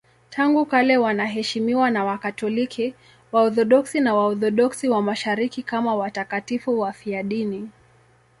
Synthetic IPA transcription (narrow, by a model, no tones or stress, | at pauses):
tʰaŋɡukalɛwanaɦɛʃimiwanawakatɔlikʰi | waɔθɔɗɔksinawaɔθɔɗɔksiwamaʃaɾikikamawatakatifuwafiaɗini